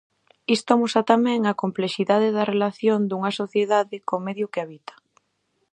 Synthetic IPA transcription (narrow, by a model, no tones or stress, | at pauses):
ist̪omusat̪amɛ̃ŋɐkompleʃiðaðɪðɐrelaθjond̪uŋɐsoθjeðaðɪkomeðjʊkeaβit̪ɐ̥